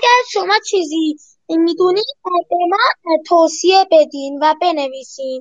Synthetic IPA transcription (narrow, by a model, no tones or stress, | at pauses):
aɡaɾʃɔmat͡ʃʰizi | mid̪uniabɛmat̪ʰosiɛbɛd̪invabɛnɛvisiːn